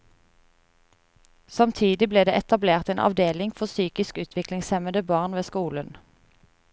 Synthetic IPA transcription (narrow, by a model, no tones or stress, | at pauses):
sɑmt̪ʰiːd̪ɪbleːd̪eːʔɛt̪ɑbleːʁt̪eːnʔɑ̰ʋd̪eːlɪŋfɔʁsyːkɪskʉːt̪ʰʋɪklɪŋsɛməd̪əbɑːʁnʋeːskuːlən